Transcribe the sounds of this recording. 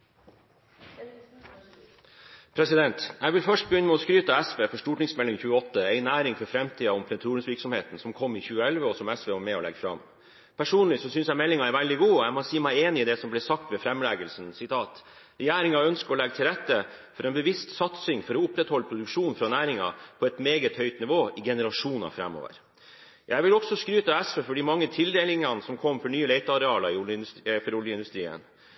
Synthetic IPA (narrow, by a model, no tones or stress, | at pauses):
pʰɾɛsɪd̪ɛnt̪æɪʋɪlfœʂʈ̚bəjʏnːəmɛɔskɾyːt̪əɛsʋeːfɔʂʈuːʈnɪŋsmɛlɪŋçʉːəɔt̪ːəɛɪnæːɾɪŋfɔɾfɾɛmt̪ʰiːɑɔmpʰɾɛt̪ʰuːɾənsʋɪɾksɔmheːt̪n̩sɔmkʰɔmːɪçʉːəɛlʋəɔsɔmɛsʋeːʋɑːɾmɛɔ̰lɛ̰ɡfɾɑ̰m | pʰæʂuːnlɪsɔsʏnsjæɪmɛlːɪŋɑæɾʋæld̪ɪɡuːæmɔsiːmæɪeːnɪɪːd̪ɛsɔmblɛːsɑk̚t̪ʋɛfɾɛmlæːɡəlsn̩sɪt̪ʰɑːt̪ | ɾɛjæːɾɪŋɑœnskəɾɔlɛɡət̪ʰɪlɾɛt̪ːəfɔɾɛnbəʋɪst̪sɑt̪sɪŋfɔɾɔʊpɾɛt̪hɔlːəpʰɾʊd̪ʉkʂuːnfɾɑnæːɾɪŋɑ̰pʰɔɛt̪meːɡət̪hœʏt̪nɪʋoːɪɡɛnəɾɑʂuːnɑ̰fɾɛ̰mːo̰ːʋə̰ɾ | jæɪʋɪlɔksɔskɾyːt̪əɛsʋefɔɖɪmɑŋːət̪ʰɪld̪eːlɪŋɑnəsɔmkʰɔmfɔɳyːəlɛɪt̪əɑɾɛɑːlɑɾɪʊfɔɾʊljəɪnd̪ʉst̪ɾiːə̰n